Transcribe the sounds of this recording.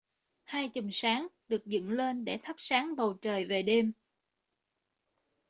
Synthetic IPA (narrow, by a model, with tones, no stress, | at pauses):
haː˧jt͡ɕə˨˩msaː˨˦ŋɗɨ˨˩ək̚zɨ̰˧˨nle˧nɗe˧˩t̪ʰə˦˥p̚saː˨˦ŋɓə˨˩wt͡ɕəː˨˩jve˨˩ɗe˧m